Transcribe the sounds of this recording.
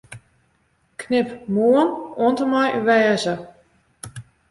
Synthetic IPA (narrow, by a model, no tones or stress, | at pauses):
kʰnɪpmuənoəntəmɔjʔyʋɛːzə